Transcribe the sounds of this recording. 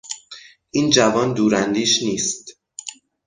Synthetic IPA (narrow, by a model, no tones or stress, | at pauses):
ʔiːnd͡ʒævɒːnd̪uːɾænd̪iːʃniːst̪